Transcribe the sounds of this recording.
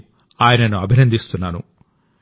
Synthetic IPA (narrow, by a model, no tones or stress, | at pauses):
aːjɐnɐnuɐbʱinɐnd̪ist̪unːaːnṵ